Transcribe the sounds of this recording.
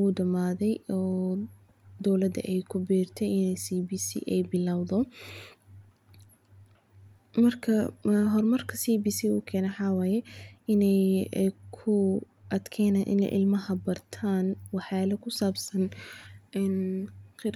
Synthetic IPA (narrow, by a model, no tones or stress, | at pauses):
ʊːdɐmaːðɛjɔː | d̪ɔwlɐd̪ɐ̰ʔɛjkʰʊbiːrt̪ʰɛjɪnɛjsiːbiːsḭʔɛjbɪlawðɔ | mɐrkʰɐɦɔrmɐrkʰɐsiːbiːsiʊ̰kʰɛːnɛħɑwaːjɛɪnɛjkʰʊ | ʔɐd̪kʰɛːnaːnʔɪ̰nɛ̰jʔɪ̰lmɐɦɐbɐrt̪ʰaːnwɑħaːlɛkʰʊsaːbsɐnʔɛːnqɪɾ